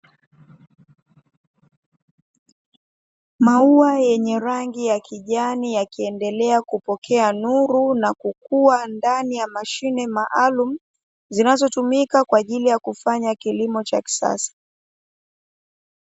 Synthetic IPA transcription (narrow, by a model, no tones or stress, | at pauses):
mauajɛɲɛɾaŋɡijakʰiʄanijakiɛndɛlɛakupɔkʰɛanuɾunakukuandanijamaʃinɛmaʔalum̩ | zinazɔtumikakwaːʄilijakufaɲakilimɔt͡ʃaki̥sa̰sḁ